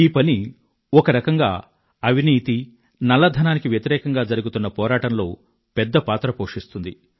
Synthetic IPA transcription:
iːpɐni | ɔkɐɾɐkɐŋɡa̰ː | ɐʋiniːt̪i | nɐlːɐd̪ʱɐnaːnikiʋjɐt̪iɾɛːkɐŋɡaːd͡ʒɐɾuɡut̪unːɐpɔːɾaːʈɐnlo̞ː | pɛd̪ːɐpaːt̪ɾɐpoːʂist̪und̪i

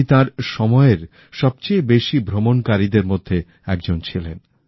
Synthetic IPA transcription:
it̪ãɾʃɔmɔeɾ | ʃɔb̚t͡ɕejbeʃibʱɾomonkaɾid̪eɾmod̪ʱːe | ɛk̚d͡ʑont͡ɕʰilen

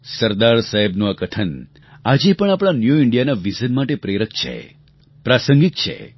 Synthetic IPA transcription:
səɾd̪aɾsaɦebnũəkəʈʰən | ad͡ʒepəɳapɽ̃anjuiɳɖijanaʋizənmaʈepɾeɾəkt͡ʃʰḛ | pɾasəŋɡik̚t͡ʃʰḛ

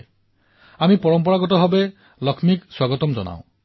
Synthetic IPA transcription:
amipɔɾɔmpɔɽaɡɔtɔɦɔbe | lɔkʰmikswaɡɔt̪ɔmd͡ʒɔna̰w̃

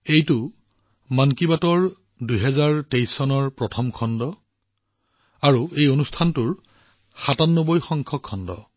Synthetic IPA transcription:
ejtʊ | mankibatɔɹ | dujɦɛzaɹtejsɔnɔɹpɹɔtʰɔmkʰɔndɔ | aɹuejonustʰantʊɹ | xatanːobojxɔŋkʰɔkʰːɔndɔ̰

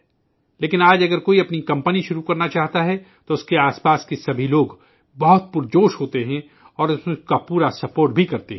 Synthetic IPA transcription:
leːkɪnaːd͡ʒɐɡəɾkoːiɐpnikɐ̃mpəniʃʊɾukɐɾnat͡ʃaːɦt̪aɦɛ | t̪oʊskeaːspaːskesɐbʱiloːɡ | bɐɦʊt̪̚pʊɾd͡ʒoːʃɦoːt̪eɦɛ̃ | ɔːɾskapuːɾasɐpoːɾʈ̚bʱikɐɾt̪eɦɛ

